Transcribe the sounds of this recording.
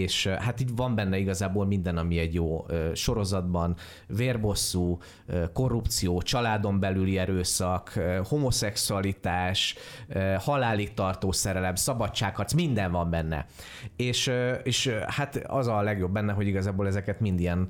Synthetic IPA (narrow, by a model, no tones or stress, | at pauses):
eːʃhat̪ivɒmbɛnːɛiɡɒzaːbolmind̪ɛnɒmiɛɟjoːøːʃo̞ɾo̞zɒd̪bɒn | veːrbo̞sːuː | øko̞rːupt̪sijoːt͡ʃɒlaːd̪o̞mbɛlyliɛɾøːsɒkøho̞mo̞sɛksuɒlit̪aːʃøhɒlaːlik̚t̪ɒrt̪oːsɛɾɛlɛmsɒbɒt͡ʃt͡ʃːaːkhɒt̪smind̪ɛɱvɒmbɛnːɛ̰ | eːʃeːʃhat̪ɒ̰zɒlɛɡjo̞bːɛnːɛɦo̞ɟiɡɒzaːboːlɛzɛkɛt̪mind̪ijɛn